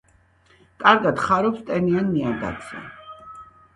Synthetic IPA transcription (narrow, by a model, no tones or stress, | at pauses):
kʼaɾɡad̪χaɾɔpst̪ʼɛnianmiad̪a̰t̪sʰɛ̰